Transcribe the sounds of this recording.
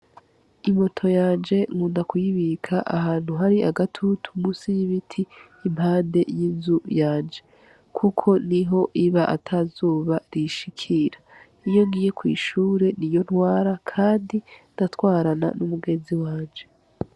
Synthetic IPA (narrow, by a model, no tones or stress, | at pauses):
imo̞tʰo̞jaːnd͡ʒe̞ŋuːndakwiβikʰaʔahaːn̥huɦaɾiʔaɡatʰutʰu̥musijiβitʰiː | maːnde̞jinzujaːnd͡ʒe̞ | kʰukʰo̞niɦo̞ʔiβaʔa̰tʰazuːβaɾiʃikʰiɾa | ijo̞ɡiːje̞kwḭːʃuːɾe̞nijo̞n̥hwaːɾakʰaːndindatwaːɾana̰numuɡe̞nziwaːnd͡ʒe̞